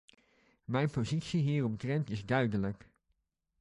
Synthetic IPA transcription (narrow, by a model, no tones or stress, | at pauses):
mɛjnpozitsiɦiːrɔmtrɛntɪzdœɥdələk